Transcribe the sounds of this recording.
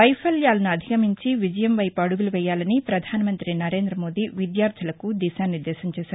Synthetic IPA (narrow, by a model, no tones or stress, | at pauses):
ʋɐjpʰɐljaːlɐnuɐd̪ʱikɐmiɲt͡ʃiʋid͡ʒɐjɐmʋɐjpɐɽuɡuluʋɛːjːaːlɐnipɾɐd̪ʱaːnɐmɐnt̪ɾinɐɾe̞ːnd̪ɾɐmo̞ːd̪iʋid̪jaːɾt̪ʰilɐkud̪ɛːʃaːniɾd̪ɛːʃɐmt͡ʃɛːʃaːɾɾ